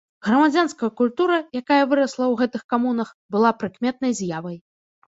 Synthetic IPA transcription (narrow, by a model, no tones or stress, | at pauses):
ɣɾɐmad͡zʲanskɐjɐkulʲt̪uɾɐjakajɐvɨɾɐslˠɐwɣɛt̪ɨxkamunɐx | bɨlˠapɾɨkmʲɛt̪̚nɐjzʲjavɐj